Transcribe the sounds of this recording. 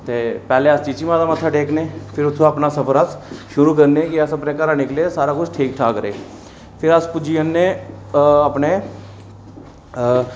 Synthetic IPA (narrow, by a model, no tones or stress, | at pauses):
t̪eːpɛːleːəst͡ʃiːt͡ʃimãːd̪aːmət̪ʰːaːʈeːknẽːpʰɪɾʊt̪ʰːõːapnaːsəpʰəɾəsʃʊɾuːkəɾnẽːkɪəsəpneːkəɾãːnɪkleːsaːɾaːkʊt͡ʃʰʈʰiːk̚ʈʰaːkɾḛː | pʰɪɾəspʊd͡ʒiːənːẽː | əpneː